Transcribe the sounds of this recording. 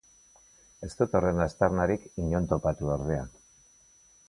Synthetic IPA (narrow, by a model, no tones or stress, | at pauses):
e̞st̪ut̪o̞re̞nast̪aɾnaɾikiɲo̞nt̪o̞pat̪uoɾðe̞a